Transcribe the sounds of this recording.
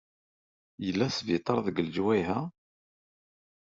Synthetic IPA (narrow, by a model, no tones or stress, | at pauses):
jəlːæsvit̪ˤɑɾˤðəɡəld͡ʒwæjɦæ